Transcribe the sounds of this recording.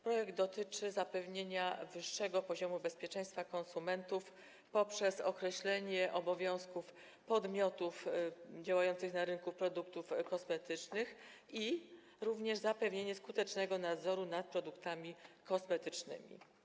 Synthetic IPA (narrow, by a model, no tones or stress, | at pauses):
pɾɔjɛɡd̪̚d̪ɔt̪ɘt͡ʂɘzapɛvɲeɲavɘʂːɛɡɔpɔʑɔmubɛspʲjɛt͡ʂɛ̃j̃st̪fakɔnsumɛnt̪uf | pɔpʂɛsɔ̰kɾɛɕlɛɲɛʔɔbɔvʲjɔ̃w̃skuf | pɔd̪mʲɔt̪ufd͡ʑawajɔnt̪sɘxnaɾɘnkupɾɔd̪uk̚t̪ufkɔsmɛt̪ɘt͡ʂnɘx | i | ɾuvɲɛʐzapɛvɲeɲɛskut̪ɛt͡ʂnɛɡɔnad̪zɔɾunat̪̚pɾɔd̪ukt̪amʲikɔsmɛt̪ɘt͡ʂnɘ̰mʲḭ